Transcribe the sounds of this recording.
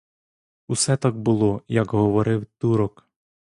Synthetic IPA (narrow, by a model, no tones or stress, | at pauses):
usɛt̪ɑɡ̚bʊlˠɔjɐkɦɔʋɔɾɪwt̪uɾɔk